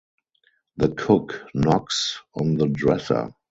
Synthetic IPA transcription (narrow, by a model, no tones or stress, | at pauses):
ðəkʰʊknɔksɔ̃nðədɹɛsə̰˞